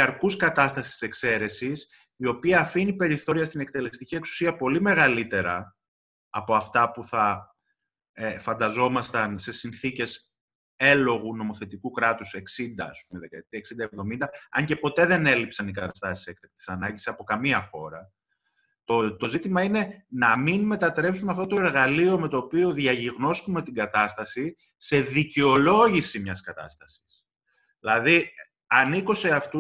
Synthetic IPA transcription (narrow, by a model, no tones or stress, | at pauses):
ɐɾkuskɐt̪ɐst̪ɐsi̥si̥se̞kse̞ɾe̞sis | io̞piɐːfinipe̞ɾiθo̞ɾiɐst̪ine̞k̚t̪e̞le̞st̪icie̞ksu̥siɐpo̞lime̞ɣɐlit̪e̞ɾɐ | ɐpo̞ɐft̪ɐpuθɐ | efɐnd̪ɐzo̞mɐst̪ɐnse̞sinθice̞s | e̞lo̞ɣuno̞mo̞θe̞t̪ikukɾɐt̪use̞ksind̪ɐɐ̰spumeðekɐt̪eksind̪ɐevðo̞mind̪ɐɐɲce̞po̞t̪e̞ðe̞ne̞lipsɐnikɐt̪ɐst̪ɐsi̥se̞kt̪ɐk̚t̪i̥sɐnɐɲɟisi̥sɐpo̞kɐmiɐxo̞ɾɐ | t̪ot̪o̞zit̪imɐine̞nɐminme̞t̪ɐt̪ɾe̞psumeɐft̪o̞t̪o̞e̞ɾɣɐlio̞me̞t̪o̞ːpio̞ðʝɐʝiɣno̞skume̞t̪iɡɐt̪ɐst̪ɐsi | se̞ðiceo̞lo̞ʝisimɲɐskɐt̪ɐ̰st̪ɐsi̥s | ilɐði | ɐnikose̞ɐft̪u